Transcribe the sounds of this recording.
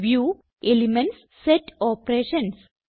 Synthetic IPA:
ʋjuː | elimẽɳʈsːeʈɔːpɾeːʃə̃ns

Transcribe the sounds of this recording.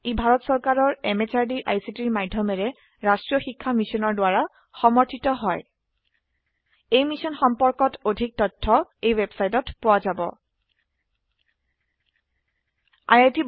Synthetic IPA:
ibʱaɹɔtsɔɹkaɹɔɹɛmet͡ʃaɹdiʔajsitiɹmadʱjɔmɛɹɛ | ɹastɹijɔxikʰːamisɔnɔɹdʊaɹa | xɔmɔɹtʰitɔɦɔj | ejmisɔnxɔmpɔɹkɔtodʱik̚tɔtʰːɔejwebsajtɔtpʊwazabɔ̰ | a̰jajtib

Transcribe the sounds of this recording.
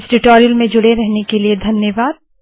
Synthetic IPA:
sʈɪʈoːɾijəlmẽd͡ʒʊɽeɾɛɦnekelied̪ʱɐnjəʋaːd̪̚

